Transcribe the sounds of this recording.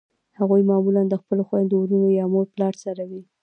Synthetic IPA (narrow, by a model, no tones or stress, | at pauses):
haɣujmɑmuland̪əxpəloxwand̪uɾunojɑmoɾplɑɽsaɾawi